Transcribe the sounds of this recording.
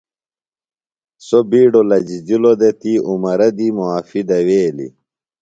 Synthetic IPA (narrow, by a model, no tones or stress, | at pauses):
sobiːɖolɐd͡ʑid͡ʑilod̪et̪iumɐɾɐd̪imuaːfid̪ɐweːlḭ